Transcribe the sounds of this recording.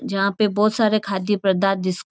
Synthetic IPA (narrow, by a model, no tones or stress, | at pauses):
d͡ʒɐɦãpebɔːt̪saːɾekʰaːd̪jəpɾɐd̪aːt̪̚d̪ɪs